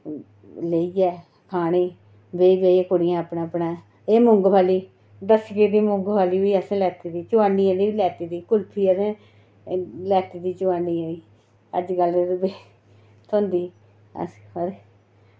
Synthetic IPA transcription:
leiːɛː | pʰaːɽ̃iː | beːiːbeːiːkoɽɪjãːəpnãːpnãː | eːmʊŋɡpaːliː | d̪əskeːd̪iːmʊŋɡbʰaːliːiːəsẽːlɛːt̪iːd̪iːt͡ʃʊaːnːiːãːd̪iːʋiːlɛːt̪iːd̪iːkʊlpʰiːəsẽː | lɛːt̪iːd̪iːt͡ʃʊaːniːaiː | ə̰d͡ʒɡəld̪eɾʊbeː | t̪ʰõːnd̪iː | ə̰səɾ

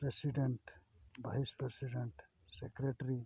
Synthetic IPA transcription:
pɾesiɖeɳʈ | ʋajspɾesiɖeɳʈ | sekɾeʈɾi

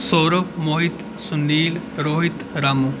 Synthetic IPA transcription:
soːɾəkmoːɦɪt̪ | sʊnd̪iːlɾoːɦɪt̪ɾaːmuː

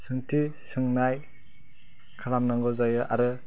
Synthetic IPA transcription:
sɯŋtʰisɯŋnaj | kʰalamnaŋɡɯzajɯʔaɾɯ

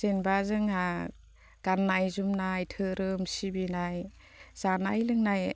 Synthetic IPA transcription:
zenbazɯŋa | ɡ̥anːajzumnajtʰɯɾɯmsibinaj | z̥anajlɯŋnaj

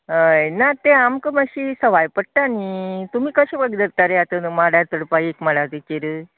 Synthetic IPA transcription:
ɦəjnat̪eamkəməɕisəʋajpəɽ̚ʈaːnit̪umiːkəɕebəɡd̪əɾt̪aɾeat̪ənmaɽjaɾt̪əɽpajekməɭat̪ikeɾə

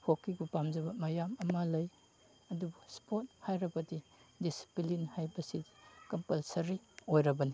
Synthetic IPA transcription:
hokːiɡupamzɐbɐmɐjamɐmalɐj | ɐdubuspot̚hajɾɐbɐdidisi̥plinhajbɐsidikɐmpɐlsɐɾiojɾɐbɐni

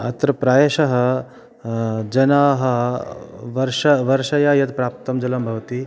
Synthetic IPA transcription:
ɐ̰t̪ɾɐpɾaːjɐʃɐɦɐ | d͡ʒɐnaːɦɐ̆ | ʋɐɾʂɐʋɐɾʃɐjaːjɐt̪pɾaːp̚t̪ɐmd͡ʒɐlɐmbʱɐʋɐt̪i

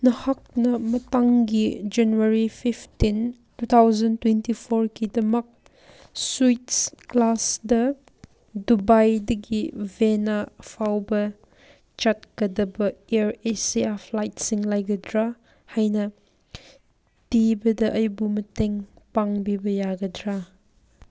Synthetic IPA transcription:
nɐhak̚nɐmɐtaŋɡid͡ʒanuɐɾipʰipʰtin | tut̪ʰawzɐntwentipʰoɾkidɐmɐk̚ | switsklasdɐ | dubajdɐɡivenapʰawbɐ | t͡ʃɐt̚kɐdɐbɐeɾesiapʰlajt̚siŋlajɡɐdɾa | hajnɐ | tibɐdɐʔɐjbumɐteŋpaŋbibɐjaɡɐdɾa

